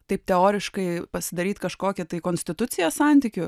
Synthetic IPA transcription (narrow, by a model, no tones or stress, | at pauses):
t̪ɐɪp̚t̪ʲɛoːɾʲɪʃkɐɪpɐsʲɪd̪ɐɾʲiːt̪kɐʃkoːkʲɪt̪ɐɪkoːnʲsʲt̪ʲɪt̪ʊt̪sʲɪjɛːssɑˑnʲt̪ʲiːkʲʊ